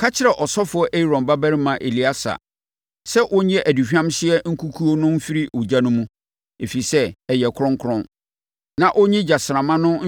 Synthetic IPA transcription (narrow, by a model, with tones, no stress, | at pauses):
kʰa˦t͡ɕʰɪ˦ɾɛ˨ʔɔ˨sɔ˦fʊ˨˦ɔ˦ʔe˦i˨ɾɔ̃˨nba˦bæ˦ɾɪ˦mã˨ʔe˨li˨˦a˦sa̰˨ | sɛ˦ʔʊ˦ɲɛ̃˦ʔæ˨di˨ɕᶣã˦mɕɪ˦ɛ˦ŋ̩˦kʰu˦kʰu˦o˦nʊ̃˦m̩˦fi˦ɾi˦ʊ˨d͡ʑa˦nʊ̃˦mũ˦ | e˨fi˨sɛ˦ɛ˨jɛ˨kʰʊ˦ɾʊ̃˦ŋkʰʊ˦ɾʊ̃˦n | nã˨ʔɔ˦ɲĩ˦d͡ʑa˨sɪ˨ɾã˨mã˦nʊ̃˦